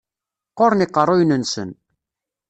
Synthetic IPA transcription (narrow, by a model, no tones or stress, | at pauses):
qoɾniqːərˤːojnənsə̰n